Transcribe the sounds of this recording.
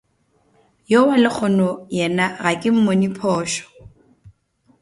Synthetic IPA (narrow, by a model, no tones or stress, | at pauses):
jowalɪk͡xʰɔnɔjɛnaɣakʼɪm̩monipʰɔːʃɔ̥